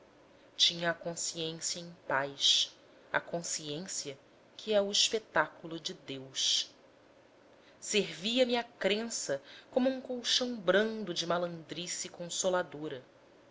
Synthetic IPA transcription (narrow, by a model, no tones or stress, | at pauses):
t͡ʃĩɲɐːkõsiẽsjɐẽj̃pajʃ | ɐ̰kõsiẽsiɐ | kʰiɛʊiʃpet̪akulʊd͡ʒɪd̪ewʃ | seɾviɐmiakɾẽsɐkõmʊũŋkowʃɐ̃w̃bɾɐ̃nd̪ʊd͡ʒɪmalɐ̃d̪ɾisikõsolad̪oɾɐ